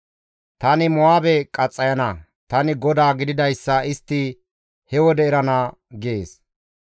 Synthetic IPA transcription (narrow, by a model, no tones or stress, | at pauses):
t̪ɐnɪmɔaːbɛkʼɐt͡sʼːɐjɐnɐ | t̪ɐnɪɡɔd̪aːɡɪd̪ɪd̪ɐjsːɐɪst̪ːɪ | hɛwɔd̪ɛɪɾɐnaː | ɡɪeːs